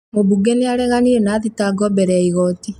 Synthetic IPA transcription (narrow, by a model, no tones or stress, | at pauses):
mobuɡeniaɾɛɣaniɛnaðitaɡɔbɛɾɛiɣɔti